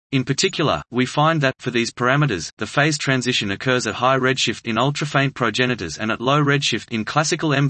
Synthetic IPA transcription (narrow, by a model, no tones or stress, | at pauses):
ɨ̃npʰə˞tʰɪkʰjl̩ˠə̰˞wifãɪ̃nðɨtfə˞ðiz̥pʰə˞æmɨɾə˞zðɨfeɪz̥tʰɹ̥æ̃nzɪʃɨ̃nɨkʰɜ˞zɨt̚haɪɹɛd̥ʃɪftɨ̃nʌlˠtɹ̥əfẽɪ̃npʰɹ̥əʊd͡ʒɛnɨɾə̰˞zɨ̃nətˡloʊɹɛd̥ʃɪftɨ̃nkʰl̥æsɨkəl̩ˠɛ̃ɱ